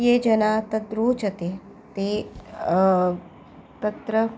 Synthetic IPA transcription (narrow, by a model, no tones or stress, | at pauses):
jeːd͡ʒɐnaːt̪ɐd̪ɾoːt͡ʃɐt̪eː | t̪eː | t̪ɐt̪ɾə